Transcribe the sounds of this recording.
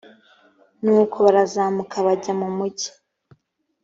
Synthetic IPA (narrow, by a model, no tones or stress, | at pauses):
nuːkʰo̞βaɾazaːmukʰaβaɟamumuɟi̥